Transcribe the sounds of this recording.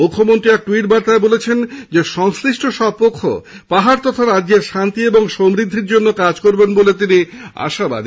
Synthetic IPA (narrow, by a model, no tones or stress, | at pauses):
mukʰːomont̪ɾiɛk̚ʈuiʈ̚baɾt̪aebolet͡ɕʰend͡ʑeʃɔŋsɾiʃʈʰoʃɔb̚pokʰːo̰ | paɦaɾt̪ɔt̪ʰaɾadːeɾʃant̪ieboŋʃomɾid̪ʱːiɾd͡ʑonːokad͡ʑkoɾbenbolet̪inia̰ʃaba̰d̪i